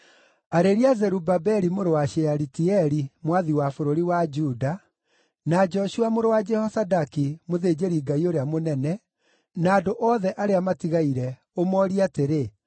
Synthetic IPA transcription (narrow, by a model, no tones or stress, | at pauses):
aɾeɾiazɛɾubabɛɾimoɾowaʃeaɾitiɛɾimwaðiwafoɾoɾiwad͡ʒuda | nad͡ʒɔʃuamoɾowad͡ʒɛhɔsadakimoðed͡ʒeɾiɡaioɾeamonɛnɛ | naːdoʔɔðɛʔaɾeamatiɣaiɾɛ | omɔɾiateɾe